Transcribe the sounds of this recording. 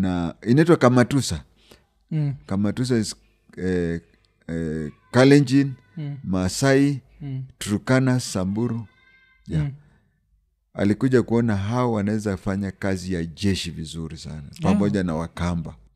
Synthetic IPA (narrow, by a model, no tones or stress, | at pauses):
nainaitwakamatusa | kamatus̬a | kalɛnd͡ʒin | masai | tuɾukanasambuɾu | ja | a̰likuʄakuɔnaɦaɔwanawɛzafaɲakazijaʄɛʃivizuɾisa̰napamɔʄanawakamba